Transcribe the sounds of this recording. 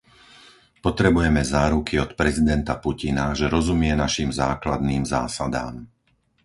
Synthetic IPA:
pɔt̪ɾɛbujɛmɛzaːɾukʰiɔt̪pɾɛzid̪ɛnt̪apucinaʒɛɾɔzumɪɛnaʃimzaːklad̪niːmza̰ːsad̪a̰ːm

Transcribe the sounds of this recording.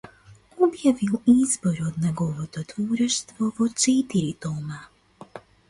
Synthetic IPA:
ubjaʋilizboɾod̪neɡoʋot̪ot̪vuːɾɛʃt̪ʋoʋot͡ʃɛt̪iɾit̪oːma

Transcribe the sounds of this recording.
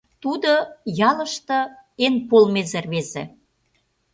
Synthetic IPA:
t̪ud̪ojɑlə̆ʃt̪ɤ̆enpolmezerβezḛ

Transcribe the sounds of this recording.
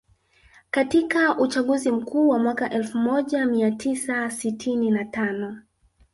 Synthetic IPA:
katikaʔut͡ʃaɠuzim̩kuːwamwakaʔɛlfumɔʄamiatʰisasitʰininatanɔ

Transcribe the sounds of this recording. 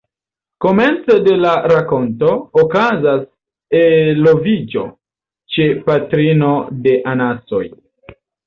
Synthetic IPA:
ko̞me̞nt͡sede̞laɾako̞nto̞ːkazas | elovid͡ʒo̞̰ | t͡ʃe̞patɾino̞de̞ʔanaso̞j

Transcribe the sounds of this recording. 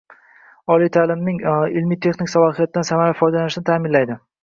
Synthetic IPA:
ɒlijt̪ʰaːlɪmnɪŋɪlmijt̪ʰe̞χnɪkʲsalˠɒɦijat̪̚ɪdansamaɾafɒjd̪alanɪʃɪnɪt̪ʰaːmɪnlajd̪ɪ

